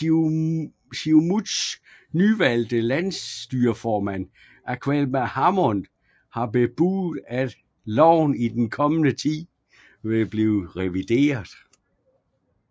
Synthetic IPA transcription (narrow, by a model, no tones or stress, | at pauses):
simus | nyʋæl̰d̥əlænsd̥yːɐfɒːmæn̰ | ʔæɐkʰʋelmæhɑ̈mɔn | hɑ̈b̥e̝b̥uð̩ˠæd̥ | lɒʊ̰nid̥enkʰɒ̽mənət͡sʰḭː | ʋeb̥liːðʁɛʋid̥e̝̰ːɐðˠ